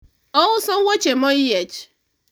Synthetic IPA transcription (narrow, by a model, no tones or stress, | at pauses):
ɔwʊsɔŋ̩ŋʷot͡ʃemɔijet͡ʃ